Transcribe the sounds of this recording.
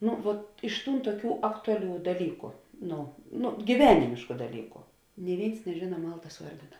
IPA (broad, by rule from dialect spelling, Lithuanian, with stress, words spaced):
ˈnʊ ʋuɔt ɪʃ ˈtuːn tuɔˈkʲuː ˈɑːktʊɐˌlʲuː dɐˈlʲiːkʊ ˈnoː noː ɡʲiːˈʋʲæːnʲɪmʲeːʃkʊ dɐˈlʲiːkʊ nʲɪ ˈʋʲeːɪns nʲɛˈʒʲeːnɐ ˈmɐlˠtɐs ˈuɔrʲdʲɪnɐ